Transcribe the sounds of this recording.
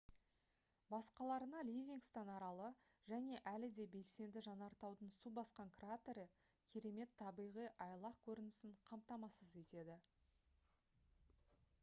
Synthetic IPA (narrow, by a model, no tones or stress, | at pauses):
bɑsqɑlˠɑɾənɑlʲivʲiŋkst̪ɑnɑɾɑlˠə | ʒ̥æne̞ʔælɪd̪e̞be̞lse̞nd̪ɪʒɑnɑɾt̪ɑwd̪ənsubɑsqɑŋkrat̪eɾə | kʲʰeɾe̞me̞t̪ʰːɑbijʁijʔɑjlˠɑqkʲʰɵɾɪnɪsɪɴqʰɑmt̪ɑmɑsəze̞t̪e̞d̪ɪ